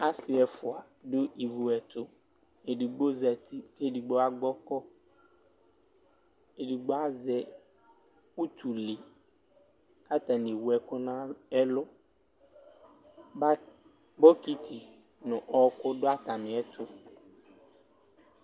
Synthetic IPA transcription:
a˦sɪ˨ɛ˨fʊ˨a˨dʊ˦ʔi˨vu˨ɛ˨t̪ʰʊ˦e˨di˨ɡ͡bo˦zɛ˨t̪ʰi˦e˦˨di˨ɡ͡bɔ˦a˦ɡ͡bɔ˦kɔ˦ | e˨di˨ɡ͡bɔ˦a˦zɛ˦ | u˦t̪ʰu˨li˨ | a˦t̪a˨ni˨wu˨ɛ˨kʊ˦nã˦ɛ˦lʊ˦ | bɔ˦ki˦t̪ʰi˨nʊ̃˨ʔɔ˦kʊ˦dʊ˦a˦ta˨mɪ̃˨˦ɛ˦t̪ʰʊ˦

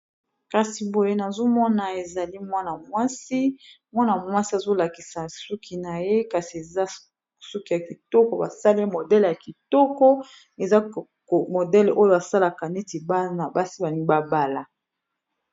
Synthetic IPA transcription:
ka˨si˨bo˨je˦na˨zo˦mɔ˦na˨e˨za˨li˦mwa˦na˨mwa˦si˦mwa˦na˨mwa˦si˦a˨zo˦la˨ki˨sa˨su˦kʰi˨na˨je˦ka˨si˨e˨za˦ | su˦ki˨ja˨ki˨tɔ˦kɔ˦ba˨sa˦le˦mo˨dɛ˦lja˨ki˨tɔ˦kɔ˦ | e˨za˦˨ | mo˨dɛ˦lʔo˦jo˨a˨sa˦la˨ka˨ne˦ti˨ba˦na˨ba˦si˦ba˨ni˦ba˦ba˦la˨

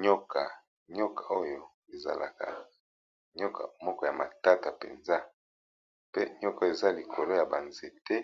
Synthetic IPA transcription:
ɲo˦ka˨ | ɲo˦ka˨o˦jo˦ | e˨za̰˨la̰˨ka̰˨ | ɲɔ˦ka̰˨mɔ˦kɔ˨ja˨ma̰˨ta˦ta˨pḛ˨nza˦ | pe˦ɲɔ˦ka˦e˨za˦li˨kʰo˨lo˦ja˨ba˨nze˨tɛ˦

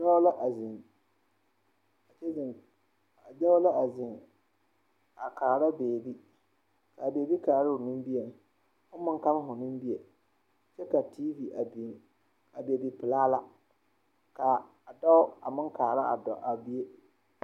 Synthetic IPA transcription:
a˦ʊ˦la˦ʔa˨zɪ˨ŋ | a˨t͡ʃɛ˦zɪ˨ŋ | a˨d͡ʒa˦ʊ˦la˦a˨zɪ˨ŋ | a˨ka˨ɾa˦beː˨bi˦ | ka˨beː˨bi˦ka˨a˨ɾa˦ʊ˨nɪ̃˦m˦bi˦e˨ŋ˨ | hʊ˦mɪ̃˦ŋ˦ka˦lɦʊ˨nɪ̃˦m˦bi˦e˨ | t͡ʃɛ˦ka˨tʰiː˦vi˨ʔa˨bi˨ | a˨be˨bi˨pɪ˨laː˦la˦ | ka˨ | a˨dɔ˦ʊ˦a˨mɪ˦ŋkaː˨ɾa˦a̰˨dɔ̰˨ʔa˨bi˦e˦

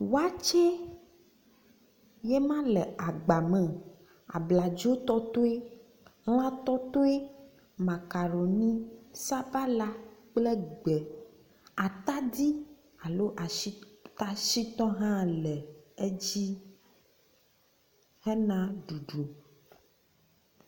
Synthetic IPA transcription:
wa˦t͡ʃe˦ | je˦mã˦lɛ˨a˨ɡ͡ba˨mɛ̃˨ | a̰˨bla˨d͡ʒi˦o˦t̪ɔ˦t̪o˦e˦ | ɣ̃ã˦t̪ɔ˦t̪o˦e˦ | mã˨ka˨ɾo˨nĩ˦sa˦ba˦la˦k͡ple˦ɡ͡bɛ˨ | a˨t̪a˦d̪i˦ | a˨lo˦ʔa˨i˦t̪a˦ʃi˦t̪ɔ̃˦ɦã˦lɛ˨e˦d͡ʑi˦ | hɛ˦nã˦ɖu˨ɖo˨

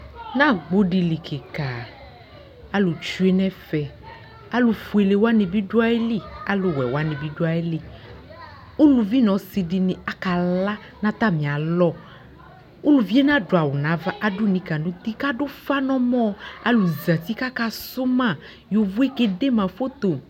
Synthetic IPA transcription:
nã˦ɡ͡bo˦ɖi˨li˨kʰe˨ka˨ | a˦lo˨t͡ʃu˦e˦nɛ̃˦fɛ˨ | a˦lu˨fu˨e˨le˨wa˦nẽ˨bi˦ɖu˦a˦e˦li˦a˦lo˨wɛ̰˨wa˦nẽ˨bi˦ɖu˦a˨e˦li˦˨ | o˦lu˨vi˦nɔ̃˨si˨ɖi˨nĩ˨a˨ka˨la˦ | nã˦t̪a˦mĩ˨a˨lɔ˦ | o˦lu˨vi˦e˦n˦ã˦ɖo˨a˨wo˨nã˨˦va˦ʔa˨ɖʊ˦nĩ˨ka˨nũ˦t̪i˦ka˦ɖʊ˦fa˦nɔ̃˦mɔ̃˦a̰˨lu˨za˨t̪i˦ka˦ka˦sʊ˦mã˦˨ | jo˨vu˦e˦ke˨ɖe˦mã˨fo˦t̪o˨

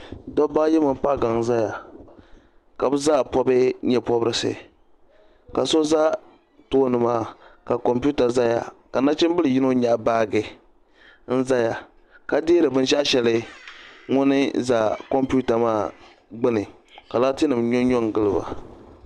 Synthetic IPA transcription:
dɔ˦ba˦jɛ˦mɨ˨m˦pa˦˨ɡa˨ŋ˨za˦ja˨ | ka˨bɨ˦za˦˨pɔ˦bɨ˦ɲɛ˨pɔ˦bɾɨ˦sɨ̰˨ | ka˨so˦za˦ | toː˦nɨ˨maː˦˨ka˨kɔ˨mpu˦ta˨za˦ja̰˨ka˨na˦t͡ʃɪ˦m˦bɨ˦lɨ˨ji˦no˦ɲa˨baː˦ɡɨ˨ | n̩˦za˦ja˨ | ka˨deː˦ɾɨ˨bɨ˦n˦ʃa˦ʔʃɛ˨lɨ˦ | ŋʊ˦nɨ˦za˨kɔ˦mpu˦ta˨maː˦˨ | ɡ͡bɨ˦nɨ˨ | ka˨laː˦tɨ˦nɨ˨m˨ɲɔ˦ɲɔ˦ŋ˨ɡɨ˦lɨ˨ba̰˨

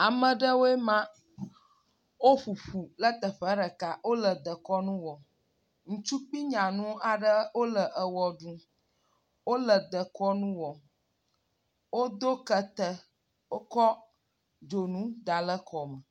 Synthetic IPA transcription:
a˨mə̃˨ɖə˦wo˦e˦mã˦ | wo˦ɸu˨ɸu˨lə˦t̪ə˨ɸə˦ɖə˨ka˨wo˦lə˨d̪ə˨kɔ˦nũ˦wɔ˨ | ŋũ˨t͡ʃu˦k͡pi˦ɲã˨nũ˦a˨ɖə˦wo˦lə˨ʔə˨wɔ˨ɖũ˦ | wo˦lə˨d̪ə˨kɔ˦nũ˦wɔ˨ | wo˦d̪o˦kə˨t̪ə˨˦ | kɔ˦ | d͡ʒo˨nũ˦d̪a˨lə˦kʰɔ˨mə˨

